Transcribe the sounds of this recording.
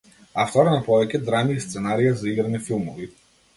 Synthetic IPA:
aft̪ɔɾanapɔvɛcʲɛd̪ɾaniːst̪sɛnaɾijazaiɡɾanifilˠmɔvi

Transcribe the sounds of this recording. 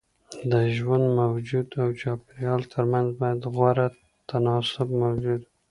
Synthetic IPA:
d̪əʒwand̪mawd͡ʒud̪awt͡ʃɑpɪɾjɑlt̪ʰəɾmanzbɑjad̪ɣwaɾa | t̪ʰanɑsʊbmawd͡ʒud̪

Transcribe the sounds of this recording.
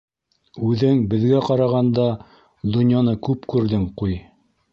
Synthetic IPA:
ʉðɘŋbɘ̆ðɡæqɑɾɑʁɑnd̪ɑ | d̪ŏnjɑnɤkʉpkʉɾðɘŋquj

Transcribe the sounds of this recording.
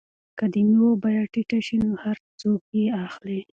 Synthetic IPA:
kad̪əniwobajaʈiʈaʃinohaɾ | t͡sokjeaxli

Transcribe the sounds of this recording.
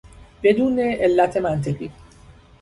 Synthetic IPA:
be̞d̪uːneʔelːæt̪ʰe̞mænt̪ʰe̞ɣḭː

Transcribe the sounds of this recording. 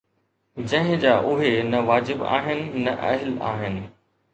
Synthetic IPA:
d͡ʑɐ̃ɦɪ̃d͡ʑaːʔʊɦenɐʋaːd͡ʑɪba̰ːɦɪnɪ̆nːɐʔɐ̰ɦɪla̰ːɦɪnɪ̆

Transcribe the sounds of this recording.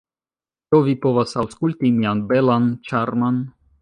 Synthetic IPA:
t͡ʃovipo̞vasawskult̪imianbelant͡ʃaɾman

